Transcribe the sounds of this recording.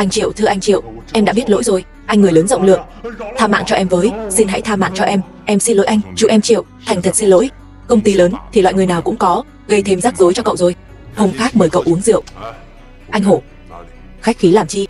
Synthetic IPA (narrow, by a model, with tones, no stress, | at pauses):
ʔa˧jŋ̟t͡ɕḭ˧˨əwt̪ʰɨ˧əʔa˧ŋt͡ɕḭ˧˨ə˨wʔɛ˧mɗa̰ː˧˥ɓi˦˥ət̚lo̰˧˥jzo˨˩j | ʔa˧ŋɨ˨˩ələː˨˦nzə̰˧˨wŋ͡mlɨ̰˧˨əŋ | t̪ʰaː˧ma̰ː˧˨ŋt͡ɕɔ˧ʔɛ˧mvəː˨˦jsi˧nɦa̰˧˥jt̪ʰaː˧ma̰ː˧˨ŋt͡ɕɔ˧ʔɛ˧m | ʔɛ˧msi˧nlo̰˧˥jʔa˧ŋ̟t͡ɕṵ˧˨˩ʔɛ˧mt͡ɕḭ˧˨əwt̪ʰɛ˨˩ŋ̟t̪ʰə˨˩t̚si˧nlo̰˧˥j | kə˧wŋ͡mt̪i˧ləː˨˦nt̪ʰi˨˩lwa̰˧˨ŋɨ˨˩əjnaː˨˩wkʊ̰˧˥ŋ͡mkɔ˨˦ | ɣə˧jt̪ʰe˧mzaː˦˥k̚zo˨˦jt͡ɕɔ˧kə̰˧˨wzo˨˩j | ho˧wŋ͡mxaː˦˥k̚məː˨˩jkə̰˧˨wʔu˨˦əŋzḭ˧˨əwʔ | ʔa˧jŋ̟ɦo˧˩ | xa˦˥k̚xi˨˦laː˨˩mt͡ɕi˧